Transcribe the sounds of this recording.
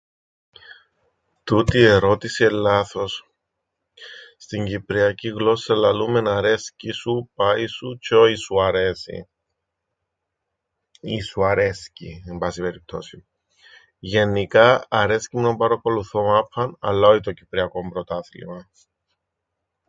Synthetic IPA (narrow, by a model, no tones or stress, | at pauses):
t̪ut̪ie̞ɾo̞t̪isielːɐθɾos | st̪iɲɟipɾiɐciɣlo̞sɐlɐlume̞nɐɾe̞scisupɐisut͡ʃoisuɐɾesḭ | isuɐɾe̞scḭembɐsipe̞ɾip̚t̪ʰo̞̰si | ʝe̞nːikɐːɾe̞scimnombɐɾɐko̞luθomɐpːɐnɐ̰lːɐoit̪ocipɾiɐko̞mbɾot̪ɐθlḭmɐ